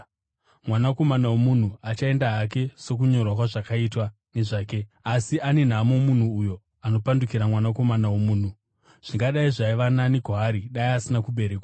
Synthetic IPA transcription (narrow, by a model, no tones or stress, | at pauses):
mwanako̞manawomun̤uat͡ʃae̞ndaɦak̬e̞so̞k̬uɲo̞rwakwaʐakaitwa | ne̞ʐaːke̞asiʔane̞n̤amomun̤uːjo̞ | ano̞pandukiɾamwanako̞manawomuːn̤u | ʐ̥iŋɡaɗaiʐaiʋananiɡʱoaɾiɗaiasinakuɓe̞ɾeːkwa